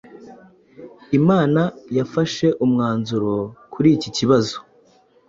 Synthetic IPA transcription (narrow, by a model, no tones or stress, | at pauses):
imaːnajafaʃe̞ʔumŋaːnzuɾo̞kʰuɾiːciciβazo̥